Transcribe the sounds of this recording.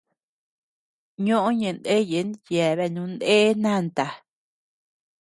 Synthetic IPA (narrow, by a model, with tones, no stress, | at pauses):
ɲõ˦ʔõ˦ɲẽ˧˨nd̪e˦je˨˦nje˨βe˧˨nũ˧˦nd̪e˦nã˦˨nt̪a˨